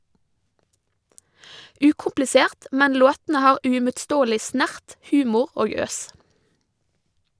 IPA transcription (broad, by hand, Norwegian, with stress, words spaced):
ˈʉːkʊmplɪˌseːʁt ˈmɛn ˈloːtn̩ə ˈhɑːɾ ʉɪmʊtˈstoːlɪ ˈsnæʁt ˈhʉːmʊɾ ˈoːɡ ˈøːs